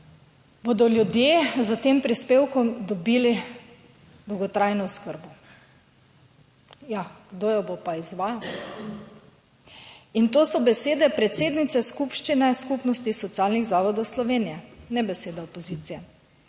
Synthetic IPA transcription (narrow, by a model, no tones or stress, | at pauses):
bod̪ɔljud̪jezat̪empɾispeːwkɔmd̪ɔbili | d̪ɔwɡɔt̪ɾajnɔʊskəɾbɔ | jaɡ̥d̪oːjɔbopaizʋaːjaw | int̪oːsɔbɛseːd̪ɛpɾɛt̪seːd̪nit̪sɛskupʃt͡ʃinɛskupnɔst̪isɔt̪siaːlniɣzaːʋɔd̪ɔwslɔʋeːnijɛnɛbɛseːd̪aɔpɔziːt̪sijɛ